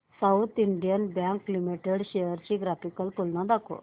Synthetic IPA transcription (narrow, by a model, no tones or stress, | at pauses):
sawt̪ʰiɳɖijənbjãŋklimiʈeɽɕejəɾt͡ɕiɡɾafikəlt̪ulnãd̪akʰo̰